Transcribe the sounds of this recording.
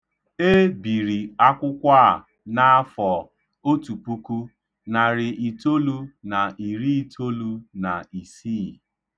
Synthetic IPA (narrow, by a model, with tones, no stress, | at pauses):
e˦bi˨ɾi˨a˦kʷʊ˦kʷa˦˨ | na˦fɔ˨ | o˦tu˨pu˦ku˦ | na˨ɾɪ˨ʔi˨to˦lu˦na˨i˨ɾi˦i˨tʰo˦lu˦na˨i˨si˦˨